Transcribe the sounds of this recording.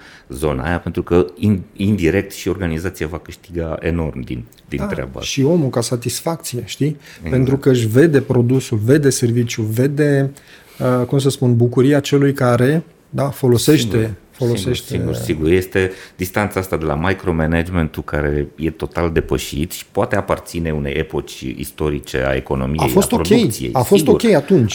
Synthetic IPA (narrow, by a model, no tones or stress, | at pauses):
zo̞̰na̰ːjape̞nt̪ɾukəinind̪iɾe̞k̚t̪ʃio̞rɡanizat̪sijavakɨʃt̪iɡae̞̰no̞rmd̪ḭn | d̪ḭnaɾa̰ba̰ʃio̞mukasat̪isfak̚t̪sije̞ʃt̪ippe̞nt̪ɾukəɨʃ̬ʲve̞d̪e̞pɾo̞d̪usulve̞d̪e̞se̞rvit͡ʃʲjuve̞d̪e̞ | əkums̬əspunbukuɾiat͡ʃe̞lujkaɾe̞ | d̪afo̞lo̞se̞ʃt̪e̞ | fo̞lo̞se̞ʃt̪eiṵsiɡurje̞st̪e̞d̪ist̪ant̪saast̪ad̪ela̰majkɾo̞menad͡ʒment̪ukaɾejet̪o̞t̪ald̪e̞pəʃḭt̪ʃi̥poat̪e̞apart̪sine̞unḛjepo̞t͡ʃʲḭst̪o̞ɾit͡ʃe̞̰a̰ḛko̞̰no̞̰miaḛfjo̞st̪oɾokʲe̞jsijḛjafo̞stɡ̪o̞ukʲejat̪unt͡ʃʲ